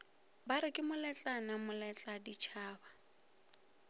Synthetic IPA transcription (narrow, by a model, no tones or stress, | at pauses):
baɾɪkʼɪmʊlɛt͡ɬʼanamʊlɛt͡ɬʼadit͡ʃʰaːba